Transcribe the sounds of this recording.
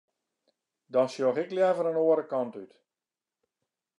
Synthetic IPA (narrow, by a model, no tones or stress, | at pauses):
dɔnsjoxɛkljɛvəɾənoəɾəkɑntyt